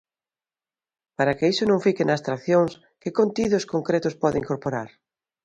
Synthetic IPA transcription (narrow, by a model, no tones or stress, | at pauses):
paɾakeisonõŋfikenaːst̪ɾakθjoŋs | kekont̪iðoskoŋkɾet̪ʊspɔðeiŋkoɾpoɾaɾ